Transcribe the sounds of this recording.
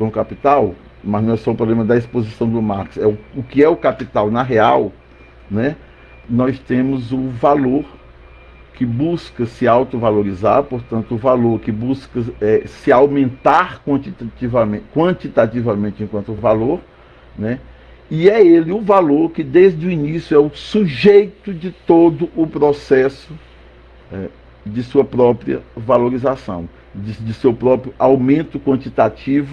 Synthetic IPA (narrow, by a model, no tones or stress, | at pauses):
kɐ̃kapit̪aw | nmɐznɐ̃w̃ɛsɔʊpɾɔblẽmɐd̪ɐispozisɐ̃w̃d̪ʊmaɾksɛʊʊkɪɛʊkapit̪awnɐɦeaw | nɛ | nɔst̪ẽmʊzʊvaloɾ | kɪbuskɐsɪawt̪ʊvaloɾizaɾpoɾt̪ɐ̃nt̪ʊːvaloɾkɪbuskɐɛsɪawmẽnt̪aɾkwɐ̃t͡ʃit̪at͡ʃivɐmẽkwɐ̃t͡ʃit̪at͡ʃivɐmẽt͡ʃɪẽkwɐ̃nt̪ʊvaloɾ | nɛ | iɛelɪʊvaloɾkɪd̪ejzd̪ʊinisjʊɛʊsuʒejt̪ʊd͡ʒɪt̪od̪ʊʔʊpɾosɛsʊ | ɛ | d͡ʒɪsuɐpɾɔpɾiɐ̰valoɾizasɐ̰̃w̃ | ɪd͡ʒɪsewpɾɔpɾjʊʔawmẽnt̪ʊkwɐ̃nt͡ʃit̪at͡ʃivʊ